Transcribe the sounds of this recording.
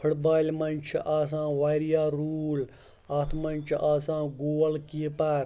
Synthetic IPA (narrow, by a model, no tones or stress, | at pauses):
pʰuʈbaːilʲmɐnt͡ʃʰʔaːs̬ãːʋaːjɾijaːɾuːl | aːt̪ʰmɐnʲt͡ʃʰʔaːsãːɡoːlkipaɾ